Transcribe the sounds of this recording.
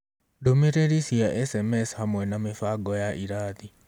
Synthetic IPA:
domeɾeɾisiaʔɛsɛmɛshamwɛnamefaɡɔjaʔiɾaːt̪i

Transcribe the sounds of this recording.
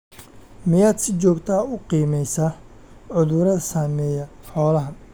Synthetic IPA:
mɪjaːd̪sɪt͡ʃɔːɡt̪ʰaːʊqiːmɛjsaː | ʕʊðʊɾɐðsaːmɛːjɐ | ħɔːlɐɦɐ

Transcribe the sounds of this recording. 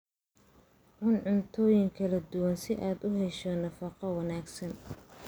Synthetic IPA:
ʕʊnʕʊnt̪ʰɔːjɪŋkʰɐlɐd̪ʊwɐnsɪʔaːd̪ʊɦɛʃɔnɐfɑqɑwɐnaːɡsɐn

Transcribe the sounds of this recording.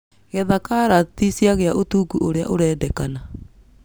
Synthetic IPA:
ɣɛðakaɾatisjaɣeaʔotuːɡuʔoɾea̰ʔoɾɛːdɛkana

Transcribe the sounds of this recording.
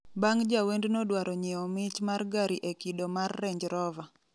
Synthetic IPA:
baŋd͡ʒawendnodwaɾɔɲɛɔmɪt͡ʃmarɡaɾiʔekidomarːeɲd͡ʒɾɔva

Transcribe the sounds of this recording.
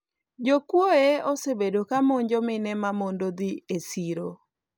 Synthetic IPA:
d͡ʒokwoeosebedokamɔɲd͡ʒɔmɪnɛmamondod̪ɪesiɾo

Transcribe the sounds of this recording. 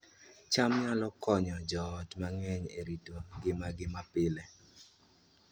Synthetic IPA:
t͡ʃamɲalɔkɔɲɔd͡ʒɔtmaŋɛɲḛɾitoɡɪmaɡɪmapɪlɛ

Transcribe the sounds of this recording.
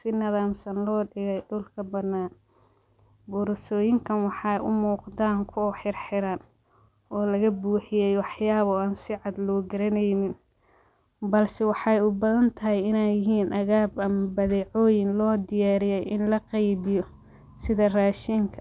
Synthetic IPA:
sɪnɐðaːmsɐnlɔːɖɪɣɛjɖʊlkʰɐbɐd̪naːn | bʊɾsɔːjɪŋkʰɐnwɑħɑjʔʊ̰muːqd̪aːŋkʰʊħɪrħɪɾaːn | ɔːlɐɣɐbuːħɪjɛjwɑħjaːβɔaːnsɪʕɑd̪lɔːɡɐɾɐnɐjnɪn | bɐlsɛwɑħɑjʊbɐðɐnt̪ʰɐɦɛjɪnajɪɦiːnʔɐɣaːbɐmɐbɐðɛːʕɔːjɪnlɔːd̪ɪjaːɾɪjɛjʔɪ̰nlɐqɑjβɪjɔ | sɪðɐraːʃiŋkʰɐ̥

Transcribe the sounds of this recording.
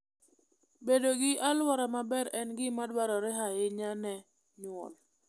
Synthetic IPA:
bedoɡɪʔalwɔɾamabɛɾɛnɡɪmadwaɾɔɾɛɦajɪɲanɛ | ɲʊɔ̰l

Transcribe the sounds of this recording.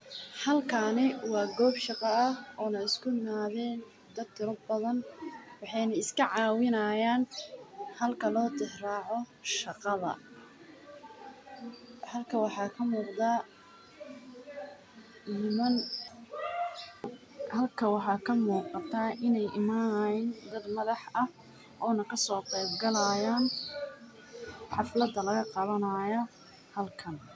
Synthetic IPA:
hɐlkʰanɪwɑːɡɔːbʃɑqɑɐɔːnɐɪskʰʊɪmaːðɛn | d̪ɐd̪t̪ʰɪɾɔbɐðɐnwɑħɑjnɐɪskʰɐʕɑːwɪnɐjaːn | hɐlkʰɐlɔːd̪ɪhrɑːʕɔʃɑqɑðɐ̰ | hɐlkʰɐwɑħɑːkʰɐmuːqd̪a | ɪmɐn | hɐlkʰɐwɑħɑːkʰɐmuːqɑt̪ʰɐʔɪnɛjʔɪmaːnd̪ɐd̪mɐðɑħɐ | ʔɔːnɐkʰɐsɔːqɛjbɡɐlɐjaːn | ħɑflɐd̪ɐlɐɣɐqɑβɐnɐjɔ | hɐlkʰɐn

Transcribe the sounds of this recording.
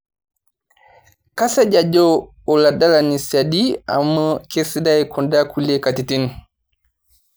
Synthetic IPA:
kasaɟad͡ʒɔ | ɔladalanisadia̰mːəkesidajkʰɔndakʰulekatitin

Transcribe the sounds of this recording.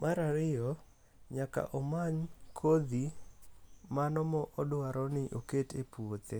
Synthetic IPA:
mʔaɾaɾɪjɔ | ɲaka̰ʔɔmaɲkʰod̪i | manɔmɔʔɔdwaɾɔnɪʔoketepuot̪e

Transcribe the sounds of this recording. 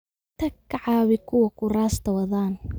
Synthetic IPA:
t̪ʰɐkʰːɐʕɑːβɪkʰʊwɐkʰʊraːst̪ʰɐwɐðaːn

